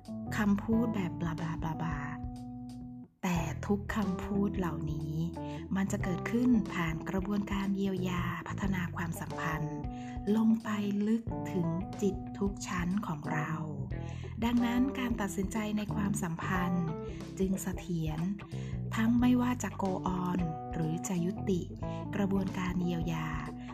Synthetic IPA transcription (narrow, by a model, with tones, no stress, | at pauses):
kʰa˧mpʰuː˥˩t̪̚bɛː˨˩p̚la˧baː˨˩la˧baː˨˩t̪̚ | ɛː˨˩t̪ʰu˦˥kʰːa˧mpʰuː˥˩t̪̚la˨˩wniː˦˥ | ma˧nt͡ɕa˨˩ʔkɤː˨˩t̪̚kʰɯ˥˩npʰaː˨˩nkɾa˧bu˧ənkaː˧nji˧əwjaː˧pʰa˦˥t̪ʰːa˧naː˧kʰwaː˧msa˩˦mpʰa˧n | lo˧ŋpa˧jlɯ˦˥k̚t̪ʰɯ˩˦ŋt͡ɕi˨˩t̪ʰːu˦˥k̚t͡ɕʰa˦˥nkʰɔː˩˦ŋɾa˧w | da˧ŋna˦˥nkaː˧nt̪a˨˩t̪̚si˨˩˦nt͡ɕa˧jna˧jkʰwaː˧msa˩˦mpʰa˧n | t͡ɕɯ˧ŋsa˧t̪ʰi˩˦ən | t̪ʰa˦˥ŋma˥˩jwaː˥˩t͡ɕa˨˩koː˧ʔɔː˧n | ɾɯː˩˦t͡ɕa˨˩ju˦˥t̪ːi˨˩kɾa˧bu˧ənkaː˧nji˧əwjaː˧